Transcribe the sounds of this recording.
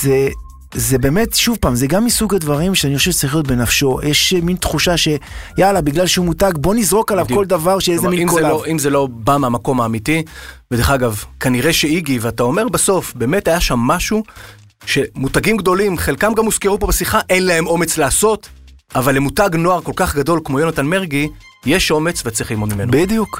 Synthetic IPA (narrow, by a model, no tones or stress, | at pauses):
ze | zebe̞me̞tʃuvpaːmzeɡamːisuɡadvaʁimʃeanixχoʃevʃe̥t͡saʁiχlijot̪̚be̞nafʃo̞jʔeʃmint̪χuʃaʃe̞jalabiɡlalʃeumutaɡbo̞nizʁo̞kalavko̞ld̪avaʁʃeezeminimkoloimzelo̞bameamako̞maːmitived̪eχaɡavkaniʁeʃe̞iɡiveatao̞me̞ʁbaso̞fbeːmethajaʃamːaʃu | ʃe̞mutaɡimɡd̪o̞limχe̞lkamɡamːuzkeupo̞besiχaʔenlae̞mo̞me̞t͡slaːso̞t | avalːemutaɡno̞aʁko̞lkaχɡado̞lkmo̞jo̞natanmeʁɡi | jeʃo̞me̞t͡svet͡sʁiχlimod̪mimenobid̪juk